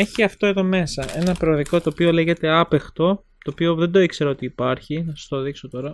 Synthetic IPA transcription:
eçiɐft̪o̞e̞ðo̞me̞sɐʔe̞nɐpɾoːðiko̞t̪o̞ːpio̞le̞ʝe̞t̪e̞ɐpext̪o̞ | t̪oːpio̞ðe̞nd̪o̞ikseɾɐo̞t̪iːpɐɾçinɐsɐ̥st̪oðiksot̪o̞ɾɐ

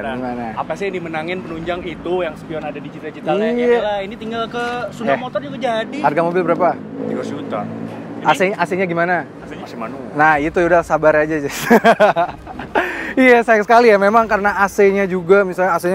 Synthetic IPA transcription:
ɡimanaapasɪdimənaŋɪnpənuɲd͡ʒaŋit̪ujaŋsə̥piɔnadadit͡ʃit̪at͡ʃit̪aialainit̪iŋɡalkəsunamot̪ɔrd͡ʒuɡad͡ʒadiharɡamobɪlbəɾapa | t̪iɡasd͡ʒut̪a̰ | aseaseɲaɡimana | asɪmanunahit̪uudahsabaɾad͡ʒad͡ʒas | ijasajaksəkalijamemaŋkaɾənaaseɲad͡ʒuɡamisalɲaːseɲa

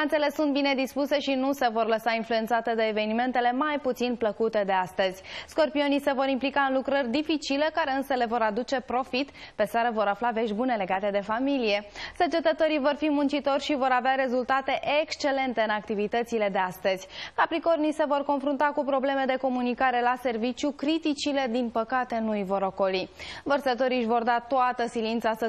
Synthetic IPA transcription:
ant̪se̞le̞sːunt̪̚bine̞d̪ispuse̞ʃinuse̞vo̞rləsainfluent̪sat̪ed̪eːve̞nime̞nt̪e̞le̞majput̪sinpləkut̪e̞d̪e̞ast̪əz̥ʲsko̞rpio̞nise̞vo̞ɾimplikaɨnlukɾərʲd̪ifit͡ʃilekaɾe̞ɨnsəle̞vo̞ɾad̪ut͡ʃe̞pɾo̞fit̪pe̞saɾəvo̞ɾaflave̞ʃbune̞le̞ɡat̪e̞d̪e̞familije̞sət͡ʃe̞t̪ət̪oɾijvo̞rfimunt͡ʃit̪o̞rʲʃivo̞ɾaveaɾe̞zult̪at̪e̞ʔekst͡ʃe̞le̞nt̪e̞ɨnak̚t̪ivit̪ət̪sile̞d̪e̞ast̪əz̥ʲkapɾiko̞rnijse̞vo̞rko̞nfɾunt̪akupɾo̞ble̞me̞d̪e̞ko̞munikaɾe̞lase̞rvit͡ʃjukɾit̪it͡ʃile̞d̪inpəkat̪e̞nuivo̞ɾo̞ko̞livərsət̪o̞ɾiʃvo̞rd̪at̪oat̪əsilint̪sasə

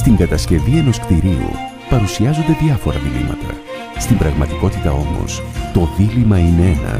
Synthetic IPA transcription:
st̪iŋɡɐt̪ɐsce̞vie̞no̞skt̪iɾiṵ | pɐɾusiɐzo̞nd̪e̞ðʝɐfo̞ɾɐ̰ðilḭmʔɐ̰t̪ɐ̰ | st̪imbɾɐɣmɐt̪iko̞t̪it̪ɐ̰o̞̰mo̞̰st̪o̞ðilimɐinee̞nɐ̰

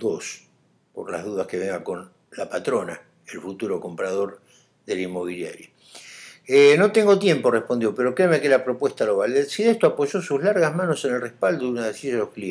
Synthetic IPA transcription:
d̪os | po̰ɾla̰ɦðuðahskeβeŋɡako̞n | lapat̪ɾo̞na̰ | elfut̪uɾo̞ko̞mpɾaðo̞ɾ | ðelimːo̞β̞ilja̰ɾja | eno̞t̪e̞ŋɡo̞t̪je̞mpo̞rehpo̞nd̪jo̞peɾo̞kɾemekelapɾo̞pwe̞ht̪alo̞βaleɾsiðeht̪oapo̞ʒo̞suzlaɾɣazmano̞se̞nelrehpald̪ounaðesiʒalohklie

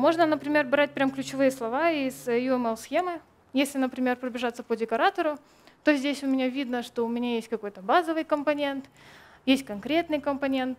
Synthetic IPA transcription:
mo̞ʐnənəpɾʲɪmʲe̞rbɾat̚ʲpɾʲamklʲʉt͡ɕɪvɨjəslˠɐvaisjuɛmɛlˠsxʲe̞mɨ | jesʲlʲɪnəpɾʲɪmʲe̞rpɾəbʲɪʐat̪səpədʲɪkɐɾat̪əɾʊ | t̪o̞zʲdʲesʲʊmʲɪnʲavʲid̪nəʂt̪o̞ʊmʲɪnʲajesʲtʲkɐko̞jt̪əbazəvɨjkəmpɐnʲe̞nt̪jesʲt̚ʲkɐnkɾʲe̞t̪nɨjkəmpɐnʲe̞nt̪

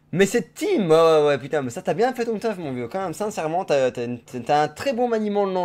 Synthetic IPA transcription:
mɛsɛt̪imawɛwɛpyt̪ɛ̃mɛsat̪yabjɛ̃fɛt̪ɔ̃t̪œfmɔ̃vjøkɑ̃mɛmsɛ̃sɛʁmɑ̃t̪at̪ant̪t̪yaɛ̃t̪χɛbɔ̃manimɑ̃nɑ̃

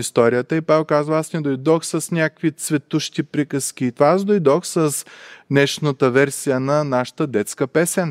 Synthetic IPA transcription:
ist̪ɔɾijət̪əipavɛlˠkazvəasnɛd̪ojd̪ɔxsɐsnʲakkvit̪svɛt̪uʃt̪ipɾikəsk̟ʲiːt̪ovaas̬d̪ojd̪ɔxsəsnɛʃnət̪əvɛɾsijənɐnaʃə̥t̪əd̪ɛt̪skəpɛsɛn

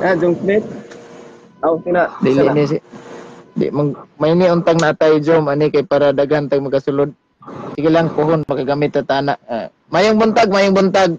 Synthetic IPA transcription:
ad͡ʒɔŋsmet̪̚ | ausinaʔdilinis̬i | dɪ̰maɡmainiʊnt̪aŋnaːt̪ajd͡ʒomanikajpaɾadaɡant̪aɡ̚maɡkasulʊd̪̚ | sɪkilaŋpuɦʊnmakaɡamɪt̪ːat̪anaʔa̰ | majʊŋbɔnt̪aɡ̚majʊŋbɔnt̪aɡ̚

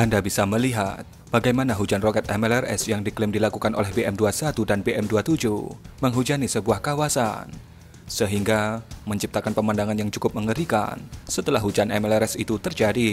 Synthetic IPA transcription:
ʔandabisaməliɦat̪̚b̥aɡajmanaɦud͡ʒanrokɛt̪ɛmɛlɛrɛ̰sjaŋdiklɪmdilakukanʔo̰lɛhbeʔɛmduasat̪udanbeʔɛmduat̪ud͡ʒṵməŋɦud͡ʒanisəbuahkawasa̰n | səɦiŋɡaməɲt͡ʃip̚t̪akanpəmandaŋanjaŋt͡ʃukʊp̚məŋəɾika̰nsət̪əlahɦud͡ʒanʔɛmɛlɛɾɛsit̪ut̪ərd͡ʒadi

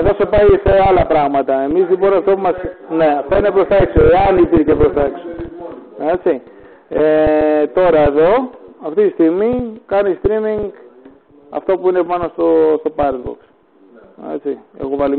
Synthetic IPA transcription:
e̞ðo̞se̞pɐjseɐlɐpɾɐɣmɐt̪ɐe̞mizlipo̞nɐft̪o̞pumɐsne̞ɐft̪oine̞pɾo̞sθɐeksoeɐnipiɾcepɾost̪ɐekso | e̞t͡si | et̪o̞ɾɐeðo̞ɐft̪it̪ist̪iɣmikɐnist̪ɾimiŋɡ | ɐ̰ft̪o̞puine̞mɐnost̪ost̪o̞pɐɾd̪bo̰ks | e̞̰t͡sie̞̰ɣo̞vɐli

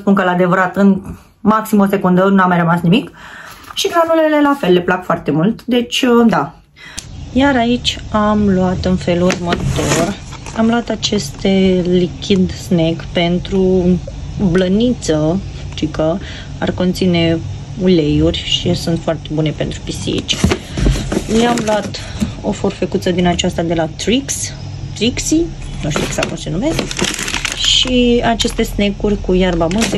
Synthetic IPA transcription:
spunkəlad̪e̞vəɾat̪ɨn | maksimose̞kund̪ənuamːajrəmasnimikʃiɡɾanulele̞lafe̞lːe̞plakfoart̪e̞mult̪d̪e̞t͡ʃʲəd̪a | jaɾait͡ʃʲamluat̪ɨnfe̞lurmət̪o̞ramloat̪at͡ʃe̞st̪elikʲʰid̪snekpe̞nt̪ɾu | blənit̪sə | ʃt̪ikə | a̰rkont̪sine̞ | ule̞jurʲʃisunt̪foart̪e̞bune̞pe̞nt̪ɾupisḭḭt͡ʃ | leamlat̪ | o̞forfekut̪səd̪inat͡ʃast̪ad̪e̞lat̪ɾiks | t̪ɾiksi | nuʃt̪iksakoʃinumes | ʃiat͡ʃe̞st̪e̞snekurʲkujarbamɨnse

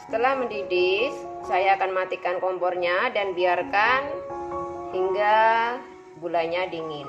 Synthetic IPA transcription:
sə̥t̪əlahməndidɪssajaːkanmmat̪ikankɔmbɔrɲadanbiarkan | hiŋɡa | bulaɲadiŋɪn

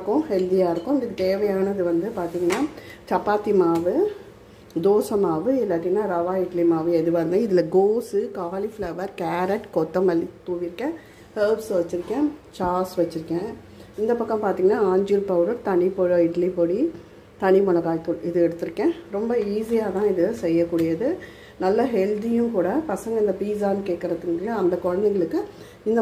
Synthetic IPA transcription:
ɐkːʊ̃hɛld̪ɪjaːɪɾɯkːʊ̃nɪðɯt̪eːʋɐjaːnɐðɯʋɐnd̪ɯpaːɾt̪iːŋɡɐnːaːt͡ʃɐpːaːt̪ːimaːʋɯ | d̪oːsɐmaːʋɯɛlːaːʈ̪ːɪŋnːaːɾɐʋaːɪʈlimaːʋɯɛðɯʋɐɾnd̪ɯ̃ɪðɪlɐɡoːsɯkaːliflɐʋɐɾkaːɾɛʈkɔt̪ːɐ̃mʋɐlːit̪uːʋɪɾɯkːɛ̃ː | heːpsʋɐt͡ʃːɪɾɯkːɛ̃t͡ʃaːsʋɐt͡ʃːɪɾɯkːɛ̃ː | ɪnd̪ɐpɐkːɐ̃mpaːɾt̪iŋɡɐnaːaːɲd͡ʒiɾpɐʊɖɐɾt̪ɐɳɪpoɻɐɪʈlipoːɽi | t̪ɐɳimɔɳɐkaːjt̪ːuɪðɯɛɽɯt̪ːɯɾɯkːẽːɾɔmbɐiːsɪjaːt̪ãːɪðɯsɛjːɐkːuːɽɪjɐðɯ | nɐlːɐɦɛld̪ɪjʊ̃kuːɽɐpɐsɐŋɡɐɪnd̪ɐpiːs̬aːnɯkeːʈ̚kːɪɾɐðɯŋɡɭɐɐnd̪ɐkɔɻɐnd̪ɛŋɡɐɭɯkːɯ | ɪnd̪ɐ

